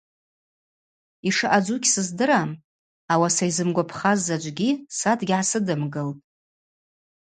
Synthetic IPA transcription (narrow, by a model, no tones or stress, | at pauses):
iʂɨʔad͡ʒukʲʰsɨzdɨɾam | awasajzɨmɡʷapʰχazːad͡ʒʷʼɡʲisatʰʼɡʲʕasɨdɨmɡɨltʼ